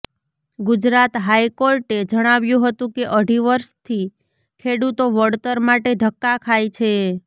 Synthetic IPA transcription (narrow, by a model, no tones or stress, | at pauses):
ɡʊd͡ʒɾat̪ɦajkoɾʈed͡ʒəɽ̃aʋjũɦət̪ũkeʔəɽʱiʋəɾʃt̪ʰi | kʰeɽut̪oʋəɽt̪əɾmaʈeɖʱəkːakʰajt͡ʃʰe